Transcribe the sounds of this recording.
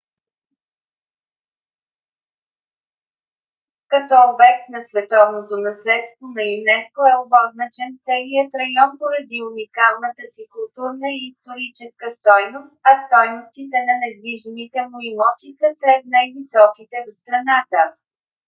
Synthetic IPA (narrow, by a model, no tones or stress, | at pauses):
kɐt̪ɔːbɛk̚t̪nɐsvɛt̪ɔvnot̪onɐslɛt̪st̪vonɐjunɛskoɛobɔznət͡ʃɛnt̪sɛlijət̪ɾɐjɔnpoɾɐd̪iunikalˠnət̪əsikʊlˠt̪uɾnəiːst̪oɾit͡ʃɛskəst̪ɔjnost̪̚ɐst̪ɔjnost̪it̪ɛnɐnɛd̪viʒimit̪ɛmʊimɔt̪isəsɾɛt̪̚najvisɔkit̪ɛvst̪ɾɐnat̪ə